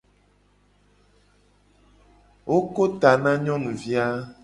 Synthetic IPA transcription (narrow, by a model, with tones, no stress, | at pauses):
wo˦ko˦t̪a˨nã˦ɲɔ̃˦nũ˨vi˦a˦